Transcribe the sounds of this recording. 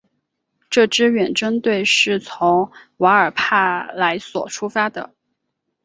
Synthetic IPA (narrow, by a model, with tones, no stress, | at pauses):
ʈ͡ʂɤ˥˩ʈ͡ʂɻ̩˥ɥɛ˨˩nʈ͡ʂə˥nt̪we˥˧ɪʂɻ̩˥˩t͡sʰʊ˧˥ŋwa˧˥ə˞˨˩pʰa˥˩la˧˥ɪswɔ̰˨˩ʈ͡ʂʰu˥fa˥d̪ə̰˨